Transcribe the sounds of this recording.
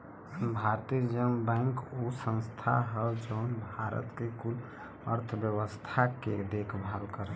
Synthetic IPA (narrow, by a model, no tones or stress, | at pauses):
bʱaɾt̪id͡ʒəmbɛŋkusə̃nst̪ʰa̰ɦəbd͡ʒəʊnbʱaɾə̰t̪kekul | ə̰ɾt̪ʰəbjəwəst̪ʰaked̪ekʰbʱabkəɾə